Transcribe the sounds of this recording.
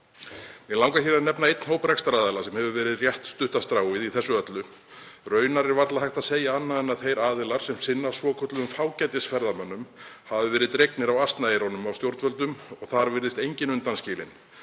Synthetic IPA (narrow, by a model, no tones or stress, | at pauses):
ɛlawŋkaθiɾanɛpnaejt̪nhoːwprɛkst̪ɾaːðɛlasɛmhɛvʏvɛːɾɪðrjɛht̪st̪ʏht̪ast̪ɾaːwɪðiθɛsːʏœt̪lʏ | rœːɥnaɾɛɾvat̪laðhajht̪aðseːjaanːaðɛnːaðθejɾaːðɪlaɾ̥sɛmsɪnːasvɔːkʰœt̪lʏmfaːwcɛjt̪ɪsfɛɾðamœnːʏmhavɪvɛːɾɪðt̪ɾejknɪɾawast̪naejɾownʏmawst̪jowɾt̪vœlt̪ʏmɔɣθaɾvɪɾðɪst̪ejɲcɪnʏnt̪anscɪːlɪ̰n